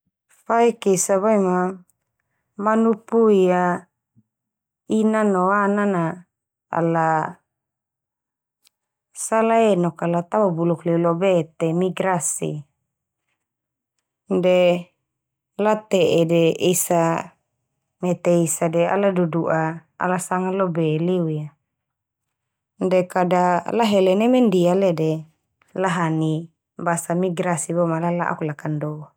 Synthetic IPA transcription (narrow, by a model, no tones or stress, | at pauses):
faikisaβaima | manupuia | inanoanana | a̰la | salaenɔkalat̪awabuluklilobet̪emiɡɾasḭ | de | lat̪eʔedeisa | net̪eisadɛa̰laduduʔaa̰lasaŋalobeliuja | ndekadalaɦɛlenemɛndialede | laɦani | basamiɡɾasibomalalaʔa̰kulakando